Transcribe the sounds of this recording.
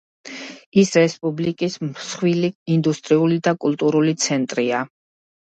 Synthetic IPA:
isɾɛspʼublikʼismsχwiliːnd̪ust̪ʼɾiulid̪akʼulˠt̪ʼuɾulit̪sʰɛnt̪ʼɾia

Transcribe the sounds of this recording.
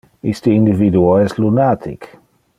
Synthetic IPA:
ist̪iind̪ivid̪uoɛst̪lunat̪ʰḭk

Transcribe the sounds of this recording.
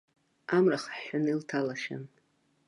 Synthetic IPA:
amraχħħʷʊniltʰalaʃa̰n

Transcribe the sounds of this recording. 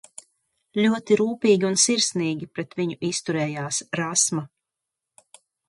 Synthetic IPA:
lʲuɔt̪iɾuːpʲiːɡʲiunsiɾsniːɡʲipɾɛt̪viɲuʔist̪uɾɛːjaːsɾasma

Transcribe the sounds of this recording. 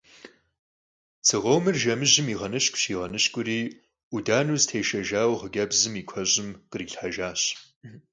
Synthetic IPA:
t͡sʰɨʁowmɨrʒɐmɨʑɪmiːʁɐnɨɕkʷʼɕiːʁɐnɨɕkʷʼʊɾiː | udaːnuːztʰeːʃɐʒaːwʁəɡɐbzɨmiːkʷʰɐʑʼɪmqəriːɬħaʒaːɕ

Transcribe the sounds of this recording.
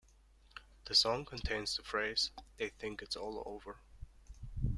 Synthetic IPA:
ðɨsɔ̃ŋkʰə̃ntʰẽɪ̃nz̥ðəfɹeɪz̥ðeɪθɪ̃ŋkɨtsɔlˠo̰ʊvə˞

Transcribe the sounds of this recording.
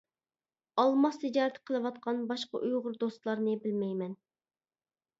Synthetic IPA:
ɑlˠmɑχt̪ʰɪd͡ʒɑːɾt̪ʰqʰəlˠɨwɑt̪̚qʰɑnbɑʃqɑ̰ʔujʁʊɾd̪ost̪lˠɑɾnɨbɪlmɛjmɛn

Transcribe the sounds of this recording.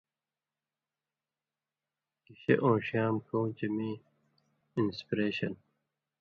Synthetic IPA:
kiɕeʔõːɕjaːmkõːt͡ɕemi | inspiɾeːɕɐn

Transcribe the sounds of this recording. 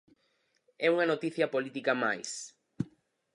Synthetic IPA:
ɛuŋɐnot̪iθjɐpolit̪ikɐmajs

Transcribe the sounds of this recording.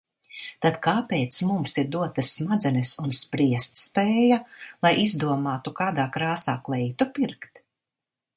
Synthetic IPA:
t̪ad̪kaːpɛːt̪smumsiɾd̪uɔt̪ɐsːmad̪zɛnɨsunspɾiɛst̪spɛːjalˠajʔizd̪uɔmaːt̪ukaːd̪aːkɾaːsa̰ːklˠɛjt̪upiɾkt̪

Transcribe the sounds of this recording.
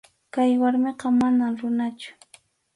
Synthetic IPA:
kajwaɾmeqɑmanamɾʊnat͡ʃʊ̥

